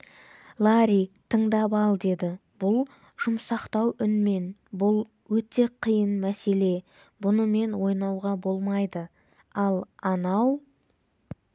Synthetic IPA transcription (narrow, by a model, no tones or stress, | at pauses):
lˠaɾʲit̪ʰəɴd̪ɑpɑlˠd̪e̞d̪ɪ | b̥ʊlˠ | ʒ̥ʊmsɑqt̪ɑwʏnme̞nbʊlˠ | wɵt̪e̞qʰijənmæse̞le̞ | bʊnəme̞nwo̞jnɑwʁɑbo̞lˠmɑjd̪ə | ɑlˠɑnɑw